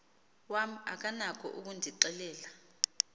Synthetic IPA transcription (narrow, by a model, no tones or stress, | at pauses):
wam̩a̰k̬ʼanakʰɔ̰ʔuk̬undʱiǃɛlɛːla